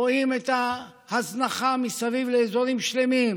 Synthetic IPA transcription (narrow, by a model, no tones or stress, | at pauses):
oimet̪a | haznaχamisavivleːzo̞ɾimʃle̞mim